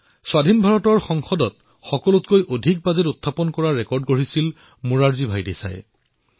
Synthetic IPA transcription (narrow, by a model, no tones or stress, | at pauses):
swadʱinbʱaɹɔtɔɹxɔŋxɔdɔt̚ | xɔkɔlʊtkojʔodʱik̚bazɛtutʰːapɔnkɔɹaɹɛkɔɹdɡoɹisil | muɹaɹzibʱajdesa̰jɛ̰